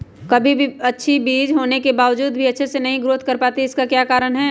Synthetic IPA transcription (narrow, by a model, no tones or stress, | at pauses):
kɐbʱibʱiɐtːʃʰibiːd͡ʒɦoːnekebaːʋd͡ʒuːd̪bʱiɐtːʃʰesenɐɦĩɡɾoːt̪̚ʰkɐɾpaːt̪iɪskakjaːkaːɾəɽ̃ɦɛ